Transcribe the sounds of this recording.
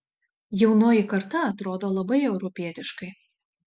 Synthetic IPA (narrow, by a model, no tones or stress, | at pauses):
jɛʊnoːjikɐɾt̪ɐɐt̪ɾoːd̪oːlˠɐbɐɪɛʊɾɔpʲiɛt̪ʲɪʃkɐɪ